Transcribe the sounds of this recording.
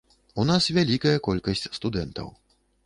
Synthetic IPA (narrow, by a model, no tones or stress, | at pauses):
unasvʲalʲikɐjɐkɔlʲkɐsʲt͡sʲst̪ud̪ɛnt̪ɐ̰w